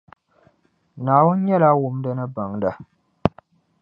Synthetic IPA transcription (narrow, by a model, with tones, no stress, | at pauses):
naː˨wʊ˦n˦ɲɛ˦la˦wʊ˨m˦dɨ˦nɨ˦ba˨ŋda˨